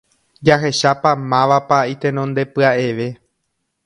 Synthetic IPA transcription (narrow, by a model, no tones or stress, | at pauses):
d͡ʒaɦe̞ʃapamãʋapait̪ẽ̞nõnd̪e̞pɨaʔe̞ʋe̞